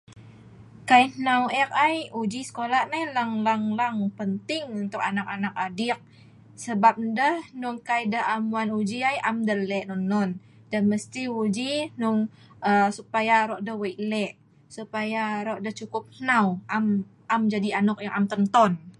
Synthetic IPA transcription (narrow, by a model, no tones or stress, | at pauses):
kajhnawɛk̚ajud͡ʒisə̥kolaʔnalaŋlaŋlaŋpənt̪ɪŋunt̪ʊk̚anak̚anak̚adɪk̚ | səbap̚dəhnʊŋkajdəɦamuanud͡ʒiajʔamdəlɛʔnɔnːɔn | dəhməst̪iud͡ʒinʊŋ | əsupajaɾɔʔdəhwəjʔlɛʔ | supajaɾɔʔdəht͡ʃukʊp̚hnawam | amd͡ʒadianʊk̚jaŋʔamt̪ənt̪ɔn